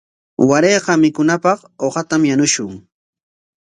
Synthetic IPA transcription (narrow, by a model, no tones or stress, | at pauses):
waɾeːqɑmɪkʊnapɑχoqɑt̪amjanʊʃʊŋ